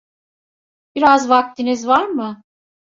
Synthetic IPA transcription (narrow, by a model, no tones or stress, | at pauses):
b̥iɾazvak̚t̪ʰinizvaɾmɯ